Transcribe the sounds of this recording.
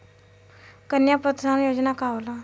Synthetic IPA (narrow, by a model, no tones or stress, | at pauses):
kənjapət̪sanjod͡ʑnakaʋla